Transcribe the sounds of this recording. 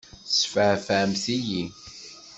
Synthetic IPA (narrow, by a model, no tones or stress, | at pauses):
sfəfæmθiji